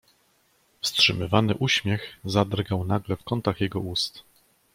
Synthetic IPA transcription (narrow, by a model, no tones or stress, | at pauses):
fstʂɘmɘvanɘʔuɕmʲjɛxzad̪ɾɡawnaɡlɛfkɔnt̪axjɛɡɔust̪